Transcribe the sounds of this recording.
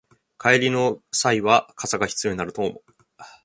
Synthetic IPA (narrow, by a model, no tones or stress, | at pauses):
kʰaeɾʲino̞saiβakʰasaɡaçi̥t͡sɨjo̞ɲ̟inaɾɯ̟t̪oːmo